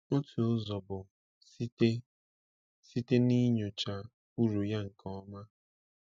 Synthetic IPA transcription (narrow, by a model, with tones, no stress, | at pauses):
o˦tu˨ʊ˦zɔ˨bʊ˨˦ | si˦te˦ni˦ɲo˨t͡ʃa˨ | u˦ɾu˨ja˦ŋ̩˨kʰɔ˦ma˦